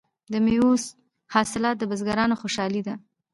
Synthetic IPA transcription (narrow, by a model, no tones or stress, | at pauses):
d̪əmeos | hɑsɪlɑt̪̚d̪əbəzɡaɾɑnoxoʃɑlid̪a